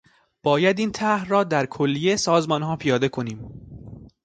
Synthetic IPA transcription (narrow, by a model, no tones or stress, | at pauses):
b̥ɒːjæd̪iːnt̪ʰæhrɒːd̪æɾkʰolːijesɒːzmɒːnɦɒːpʰijɒːd̪e̞kʰo̞niːm